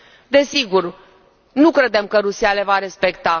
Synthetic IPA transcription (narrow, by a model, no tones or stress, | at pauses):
d̪e̞siɡur | nukɾe̞d̪e̞mkəɾusiale̞vaɾe̞spe̞kt̪a